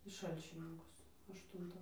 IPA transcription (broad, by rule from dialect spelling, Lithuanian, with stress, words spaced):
iː ˈʃɐlʲt͡ʃʲɪnʲɪŋkʊs ɐʃˈtʊntɑː